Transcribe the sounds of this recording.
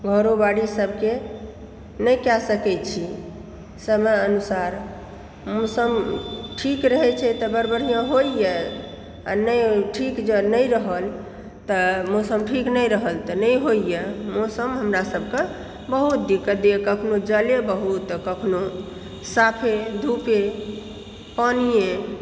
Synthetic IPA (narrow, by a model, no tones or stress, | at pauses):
ɡʱəɾobaɽisəbʱke | nəjkasəkɛt͡ʃʰi | səməənusaɾ | mosəmʈʰikɾəɦɛt͡ʃʰɛt̪əbəɾbəɾ̤ijãɦoije | a̰nəjʈʰikd͡ʒenəjɾəɦəl | t̪əmosəmʈʰiknəjɾəɦəlt̪ɔnəjɦoijemosəmɦəmɾasəb̚ʱke | bəɦut̪̚d̪ikːəd̪ekəkʰnod͡ʒəlebəɦut̪kəkʰno | sapʰed̪ʱupe | panije